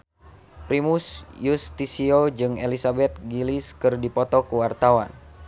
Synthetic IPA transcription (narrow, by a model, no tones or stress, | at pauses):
pɾimusjust̪isiod͡ʒɨŋelisabɛt̪̚ɡiliskɨrdipɔt̪ɔkuwart̪awan